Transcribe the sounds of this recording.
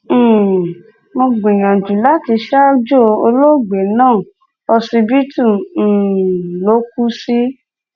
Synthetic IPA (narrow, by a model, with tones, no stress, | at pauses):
mo˧ɡ͡bĩ˨j̃ã˨d͡ʒũ˨la˦ti˧ʃa˦d͡ʒo˦˨o˧lo˦˨ɡ͡be˨nãː˦˨ | ɔ˧si˧bi˦tũ˦˨ | lo˨˦ku˦si˦